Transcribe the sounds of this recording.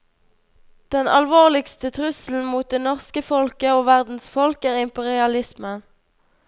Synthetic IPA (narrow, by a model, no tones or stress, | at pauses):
d̪̥ɛnʔɑ̰lʋoːʁlɪkst̪ət̪ʰʁʉsl̩n̩muːt̪̚d̪eːnɔʁskəfɔlkəoːʋæʁd̪n̩sfɔlkæːʁɪmpɛʁɪɑlɪsmə